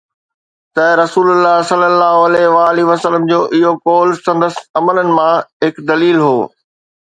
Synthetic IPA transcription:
t̪ɐɾɐsuːlʊlːaɦsɐlːəlːaːɦoɐlɛɦʋaːliʋɐsələmd͡ʑoːʔɪɦokoːlsɐ̃nd̪əsɐmələnɪ̆mãɦɪkd̪ɐliːlɦoː

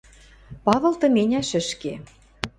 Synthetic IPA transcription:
pɑβɤ̆lt̪ɤ̆menʲæʃɘ̆ʃke

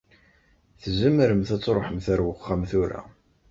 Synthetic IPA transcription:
θzəmːəɾəmθæt͡sːɾˤoħəmθæɾwəχːæmθuɾæ̰

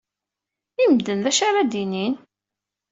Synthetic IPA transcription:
imd̪ənðæʃaɾad̪inin

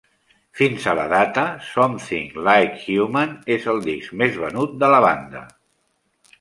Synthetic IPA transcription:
finzələ̰ðat̪əsɔmθḭŋlajkɣjumanezəlˠd̪ikzmezβənut̪̚d̪ələβand̪ə̰

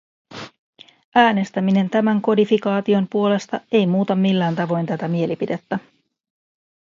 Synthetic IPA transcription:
ʔæːne̞st̪æmine̞nt̪æmæŋko̞difikɑːt̪io̞mpuo̞le̞st̪ɑe̞jmuːt̪ɑmːilːæːnt̪ɑʋo̞jnt̪æt̪æmie̞lipide̞t̪ːæ

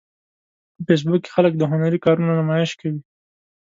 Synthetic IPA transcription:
əfes̬bʊke̥xalək̚d̪əɦʊnaɾikɑɾunanamɑjɪʃkawi

